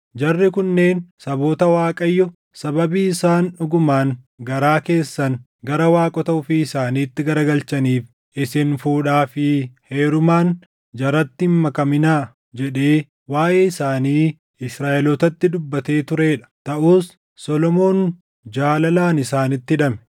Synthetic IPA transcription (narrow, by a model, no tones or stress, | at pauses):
d͡ʒɐrːɪkʊnːe̞ːnsɐbo̞ːt̪ɐwaːkʼɐjːɔ | sɐbɐbiːɪsaːnʊɡʊmaːn | ɡɐɾaːke̞ːsːɐŋ | ɡɐɾɐwaːkʼɔt̪ɐʊfiːɪsaːniːt̪ːɪɡɐɾɐɡɐlt͡ʃɐniːf | ʔɪsɪnfuːᶑaːfɪhe̞ːɾʊmaːn | d͡ʒɐɾɐt̪ːɪmmɐkɐmɪnaː | d͡ʒɛᶑe̞ː | waːʔeːɪsaːniː | ɪsɾaːʔɛlɔt̪ɐt̪ːɪd̪ʊbːɐt̪e̞ːt̪ʊɾe̞ːᶑɐ̥t̪ɐʔuːsː | ɔlɔmo̞ːn | d͡ʒaːlɐlaːnɪsaːnɪt̪ːɪᶑɐmɛ̥